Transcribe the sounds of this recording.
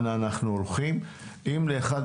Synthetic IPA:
naːnaχnuolχim | ʔimleːχad̪

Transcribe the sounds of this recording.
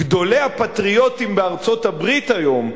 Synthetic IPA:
ɡd̪o̞le̞hapat̪ʁio̞t̪imbeaʁt͡so̞tabʁit̪ajo̞m

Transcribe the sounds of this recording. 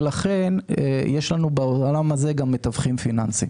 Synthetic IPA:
laχe̞nḛjeʃlanubeolamaze̞ɡamːe̞t̪avχimfinansḭm

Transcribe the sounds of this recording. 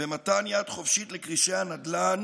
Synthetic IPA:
vemat̪anjad̪χo̞fʃitlekʁiʃehanad̪lan

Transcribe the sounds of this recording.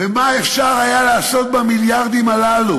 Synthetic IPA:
vemaefʃaʁajalaːso̞t̪̚bamiljaʁd̪imalalu

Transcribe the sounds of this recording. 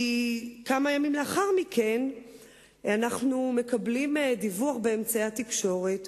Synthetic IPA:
ikamajamimleaχaʁmike̞n | anaχnume̞kablimdivuaχbeemt͡saeat̪ikʃo̞ʁet

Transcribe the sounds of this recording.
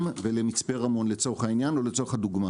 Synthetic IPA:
mvele̞mit͡spe̞ʁamo̞nlet͡so̞eχainjano̞let͡so̞χad̪uɡma

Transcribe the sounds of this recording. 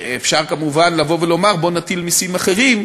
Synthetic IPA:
efʃaʁkamuvanlavo̞velo̞maʁbo̞nat̪ilmisimaχe̞ʁim

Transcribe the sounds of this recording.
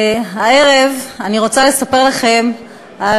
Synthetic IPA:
ae̞ʁevaniʁo̞t͡sale̞sape̞ʁlaχe̞m | a

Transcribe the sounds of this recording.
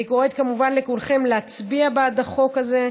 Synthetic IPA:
ikoet̪kamuvanlekulχemleat͡sbiabead̪aχo̞kaze̞

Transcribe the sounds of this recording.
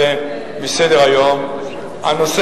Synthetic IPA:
e | mised̪eʁajom | anos

